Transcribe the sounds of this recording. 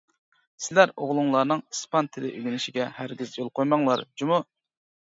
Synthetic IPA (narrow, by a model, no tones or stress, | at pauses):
sɪlæɾoʁlˠʊŋlˠɑɾnɨŋɨspɑnt̪ʰɪlɪʔyɡʲɪnɪʃiɡʲɛhæɾɡʲizjolˠqʰojmɑŋlˠɑ̰ɾd͡ʒumu